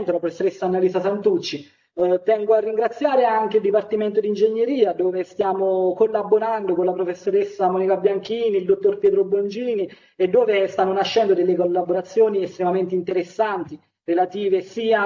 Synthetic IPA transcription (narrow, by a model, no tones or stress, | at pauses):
nt̪olapɾofesːoɾesːanaliːsasant̪ut͡ʃːi | t̪ɛŋɡoarːiŋɡɾat̪sːjaːɾeaŋk̟eild̪ipart̪iment̪od̪ind͡ʒeɲːeɾiːad̪oːvest̪jaːmokolːaboɾand̪okonlapɾofesːoɾesːamɔːnikabjaŋkiːniːld̪ot̪ːorpjɛːt̪ɾobond͡ʒiːni | ed̪ːoːvest̪anːonaʃːɛnd̪od̪elːekolːaboɾat̪sːjoːniest̪ɾemament̪eint̪eɾesːant̪i | relat̪iːvesiːa